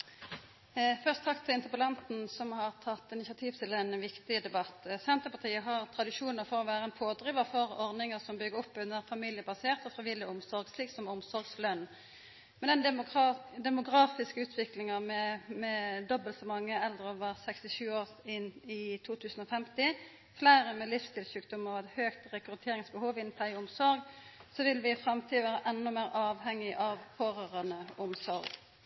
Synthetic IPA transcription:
fœʁst̪ʰɑkt̪ʰːɪlɪnt̪əpəlɑnt̪n̩sɔmhɑʁt̪ʰɑt̪ːɪnɪsɑt̪ʰiːʋt̪ɪlɛnʋɪkt̪ɪd̪ɛbɑt̪ːsɛnt̪ʁəpʰɑt̪ʰiːəɦɑʁt̪ʰɾɑd̪ɪʂuːnəʁfɔʁɔʋæːʁəɛnpʰoːd̪ʁɪːʋəʁfɔʁɔʁnɪŋəʁsɔmbʏɡəʁɔpːʉnːəʁfɑmiljəbɑseːʁt̪ɔfʁɪʋɪlɪʊmsɔʁɡsliːksɔmʊmsɔʁɡslœnː | mɛnɛn | d̪ɛmʊɡʁɑːfɪskəʉːt̪ʰʋɪklɪŋəʁmɛmɛd̪ɔbəlt̪sɔmɑŋːəɛlːəəɾəoːʋəʁsɛkst̪ɪʃʉːoːʁ | ɪnɪt̪ʰuːt̪ʰʉːsn̩ɔfɛmt̪ɪ | flæɪɾəmɛlɪfst̪ʰɪlsʉːk̚d̪ʊmɑʋɛt̪høːɡt̪ɾɛkɾʉt̪ʰeːɾɪŋsbəhuːʋɪnfʰplæɪʊmsɔɾɡsɔʋɪlʋɪfɾɑmt̪ʰiːd̪əʋæːɾəʔɛnːɔmæːɾʔɑːʋhɛŋːɪʔɑʋfoːʁœʁənəʊmsɔɾɡ

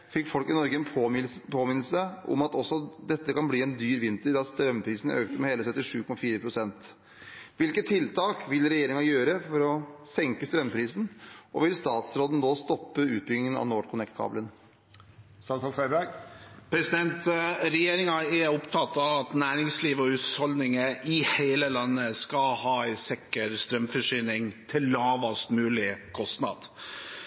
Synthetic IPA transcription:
fɪkːfɔlkɪnɔɾɡəɛnpʰːpʰoːmɪnl̩səʔɔ̰mɑt̪ɔsːɔd̪ɛt̪ːəkʰɑnbliːɛnd̪yːɾʋɪnt̪əɾd̪ɑst̪ɾœmːpʰɾiːsn̩ø̰ːkt̪əmɛheːləsœt̪ːɪʂʉːkʰɔmɑfiːɾəpʰɾʊsɛnt̪ | ʋɪlkət̪ʰːɪlt̪ʰɑːkʋɪlɾɛjeːɾɪŋɑjøːɾəfɔɾɔsɛŋkəst̪ɾœmːpʰɾiːsn̩ʔɔ̰ʋɪlst̪ɑːt̪sɾoːd̪n̩noːst̪ɔpːəʉːt̪̚bʏɡnɪŋənɑ̰ʋnoːʈkʰʊnɛk̚t̪kʰɑ̰ːblən | st̪ɑt̪ɑfæbæɡpʰɾɛsɪd̪ɛnt̪ɾɛjeːɾɪŋɑɛɾɔpt̪ʰɑt̪ːɑʋɑt̪næːɾɪŋsliːʋɔʉːt̪hɔld̪nɪŋəʔɪheɪləlɑnːəskɑhɑːɛɪsɛkːəɾst̪ɾœmfɔʂyːnɪŋt̪ʰɪlːɑːʋɑst̪mʉːlɪkʰɔst̪nɑ̰ːd̪̥

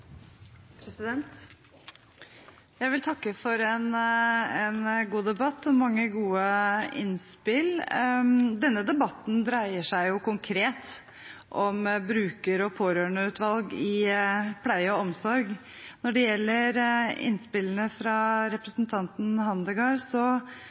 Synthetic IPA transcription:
pʰɾɛsɪd̪ɛnt̪ | jæɪʋɪlt̪ʰɑkːəfɔɾɛnɛnɡuːd̪ɛbɑt̪ːɔmɑŋːəɡuːəɪ̰nspɪl | d̪ɛnːəd̪ɛbɑt̪ːn̩d̪ɾæɪəʂæɪjʊkʊŋkʰɾeːt̪ | ʔɔmbɾʉːkəɾɔpʰoːɾøːɳəʉːt̪ʰʋɑlɡɪpʰlæɪəɔmsɔɾɡ | nɔɖɛjɛlːəɾɪ̰nspɪlənəfɾɑɾɛpɾəsnt̪ʰɑnt̪n̩hɑnd̪əɡɑːɾsɔ

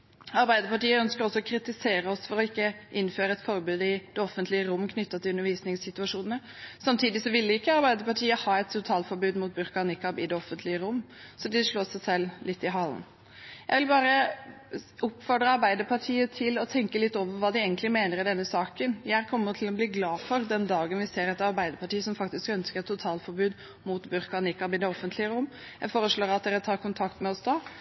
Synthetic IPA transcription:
ɑɾbæɪd̪əɾpɑʈiːəœnskəɾɔsːɔɔkʰɾɪt̪ɪseːɾəɔsfɔɾɔɪkːəʔɪnːføːɾəɛt̪fɔɾbʉːd̪əɪd̪̥ɛɔfənt̪ʰlɪəɾʊmːkʰnʏt̪ːɑt̪ʰɪlʉnːəɾʋiːsnɪŋssɪt̪ʉɑʂuːnənə | sɑmt̪ʰiːd̪ɪsɔʋɪlːɪɪkːəɑɾbæɪd̪əɾpɑʈʰiːəhɑːɛt̪t̪ʊt̪ʰɑːlfɔɾbʉːd̪muːt̪̚bʉɾkɑnɪkɑbɪd̪ɛɔfənt̪ʰlɪəɾʊmːsɔd̪ɛʂɭoːsæsɛlːlɪt̪ːɪɦɑl̰n | jæɪʋɪlbɑːɾə | ʊpfɔd̪ɾəɑɾbæɪd̪əɾpʰɑʈʰiːət̪ʰɪlɔt̪ʰɛŋkəlɪt̪ːoːʋəɾʋɑːd̪ɪeɡənt̪lɪmeːnəɾɪd̪ɛnːəsɑːkənjæækʰɔmːətʰɪlɔbliːɡlɑːfɔɾd̪ɛnd̪ɑːɡənʋɪseːɾɛt̪ɑɾbæɪd̪əɾpʰɑʈiːəsɔmfɑk̚t̪ɪskœnskəɾt̪ʰːʊt̪ʰɑːlfɔɾbʉːd̪ | mut̪bʉɾkɑnɪkɑbɪd̪ɛɔfːənt̪lɪəɾʊmː | jæɪfoːɾəʂɭoːɾɑt̪̚d̪ɛːɾət̪ʰɑːɾkʰʊnt̪ʰɑkt̪mɛɔsd̪ɑ

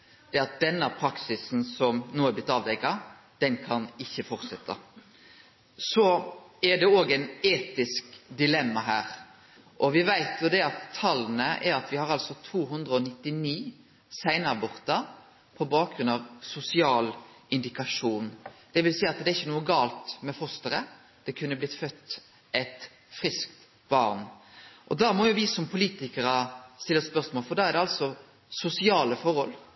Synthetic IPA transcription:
d̪̥ɛɑt̪̚d̪ɛnːəpʰɾɑksɪsn̩sɔmnuːəæblɪt̪ːɑːʋd̪ɛɪkɑ | d̪̥ɛnkʰɑnɪçːəfɔɾt̪sɛt̪ʰːɑ̰ | sɔɛɖɛoːɡæɪneːt̪ɪskd̪ɪlɛmːɑɦæːɾ | ʔɔʋɪʋæɪt̪jʊd̪ɛɑt̪ʰːɑlːnəʔɛɾɑt̪ʋɪhɑɾɑlsɔt̪ʰuːɦʉnd̪ɾəɔnɪt̪ːɪniː | sæɪnəɑbɔʁt̪ɑ | pʰɔbɑːk̚ɡɾʉnɑʋsʊsɪɑːlʔɪnd̪ɪkɑʂuːnd̪̥ɛʋɪlsæːɑt̪d̪ɛɪçːənuːəɡɑːlt̪mɛfɔst̪əɾə | d̪̥ɛkʰʉnːəblɪt̪fœt̪ː | ʔɛt̪ | fɾɪskt̪ | bɑ̰ɾnʔɔd̪ɑːmɔjʊʋɪsɔmpʰʊliːt̪ɪkəɾəst̪ɪlːəspœʁsmɔːlfɔɾd̪ɑæʁd̪ɛɑlsɔ | sʊsɪɑːləfɔɾɔl

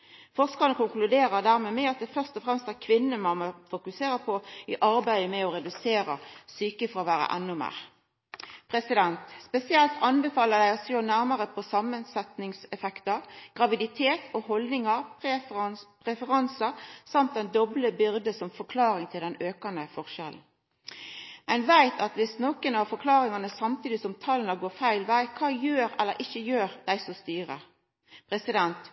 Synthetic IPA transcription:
fɔʁskɑʁənəkʊŋklʉd̪eːɾəd̪æːʁmeːmɛɑt̪̚d̪ɛfœʁst̪ɔfʁɛmst̪æʁkʰʋɪnːəmɑməfʊkʉseːɾəpʰɔɪʔɑɾbæɪəmɛɔɾɛd̪ʉseːɾəsyːkəfɔɾɔʋæːɾə̰ʔɛnːʊmḛːʁ | pʰʁɛsɪd̪ɛnt̪spɛsɪɛlt̪ʰɑnbɛfɑːləd̪æɪɔsoːnæʁmɑʁəpʰɔsɑmənsɛt̪nɪŋsɛfɛkt̪əɾɡ̥ʁɑʋɪd̪ɪt̪ʰeːt̪ɔɦɔld̪nɪŋɑʁp | pʁɛfəʁɑnsəɾsɑmt̪̚ɛnd̪ɔbləbʏɾd̪əsɔmfɔkʰlɑːɾɪŋt̪ʰɪld̪ɛnøːkɑnd̪əfɔʁʃɛ̰ln̩ | mɛnʋæɪt̪ʰɑt̪ʋɪsnɔkənɑʋfɔkʰlɑːɾɪŋɑnəsɑmt̪ʰiːd̪ɪsɔmt̪ʰɑlnɑɡoːfæɪlʋæɪkʰɑːjøːɾɛlːə̰ɾʔɪçəjøːɾd̪̥æɪsɔst̪yːɾə̰ | pʰɾɛsɪd̪ɛnt̪

